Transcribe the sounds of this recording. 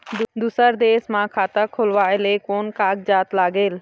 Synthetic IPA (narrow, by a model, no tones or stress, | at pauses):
d̪d̪uːsəɾd̪eːsmãːkʰaːt̪əkʰolʋaːeleːkoːnkaːk̚d͡ʒaːt̪laːɡeːl